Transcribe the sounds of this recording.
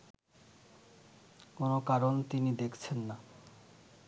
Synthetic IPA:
konokaɾont̪inid̪ekʰt͡ɕʰenːa

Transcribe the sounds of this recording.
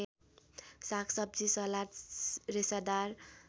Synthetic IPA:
sakʰsʌb̚d͡zisʌlaɾɾesʌd̪aɾ

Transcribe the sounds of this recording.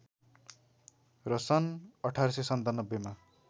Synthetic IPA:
rʌsʌnʌʈʰarʌsesʌnt̪anʌbːema

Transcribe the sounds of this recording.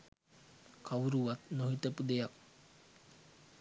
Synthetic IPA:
kawuɾuʋat̪noɦit̪əpud̪ejak̚

